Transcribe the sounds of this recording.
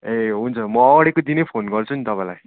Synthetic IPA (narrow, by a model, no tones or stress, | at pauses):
eɦunt͡sʰʌmʌːɽekod̪inepʰonɡʌrt͡sʰunit̪ʌpãjlaj